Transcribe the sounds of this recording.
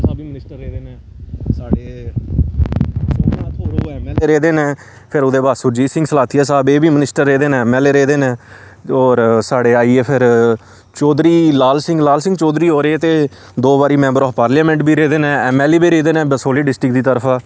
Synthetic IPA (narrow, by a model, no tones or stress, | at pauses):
aːbiːmnɪsʈəɾːeːd̪eːneː | saːɖeː | soːat̪ʰoːɾoɛmɛːleːɾeːd̪eːneː | pʰɪɾʊd̪eːbaːsʊd͡ʒiːsɪ̃ŋɡsəlaːt̪ʰiːaːsaːbeːbiːmənɪsʈəɾːeːd̪eːnẽːɛmɛːleːɾeːd̪eːnẽː | ɔːɾsaːɽeːaːiːeːpʰɪɾ | t͡ʃɔːd̪ɾiːlaːlsɪ̃ŋɡlaːlsɪ̃ŋɡt͡ʃɔːd̪ɾiːɦoːɾeeːt̪eː | d̪oːbaːɾiːmɛ̃ːmbəɾɔːfpaːɾljaːmɛ̃ːɳʈbʱiːɾeːd̪eːnẽːɛːmɛːleːbiːɾeːd̪eːnẽːsoːliːɖɪsʈɾɪkd̪iːt̪əɾpʰaː